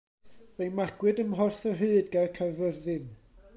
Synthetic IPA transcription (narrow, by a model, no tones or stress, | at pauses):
vejnmaɡ̥wɨdəmɦɔrθɔɦɨːdɡakʰəvɛrðɨn